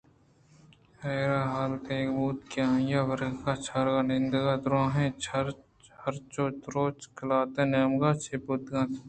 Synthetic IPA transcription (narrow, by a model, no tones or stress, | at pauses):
heːɾaːɦaːlt̪ẽkbuːt̪keãːjaːʋəɾɡɡat͡ʃʰaɾɡanɪnd̪ɡãːd̪ɾõːɦẽt͡ʃʰɐɾ | hɐɾt͡ʃoːt̪ɾoːt͡ʃkəlaːt̪ẽnaːmɡaːt͡ʃʰeːput̪ɡãːt̪ʰː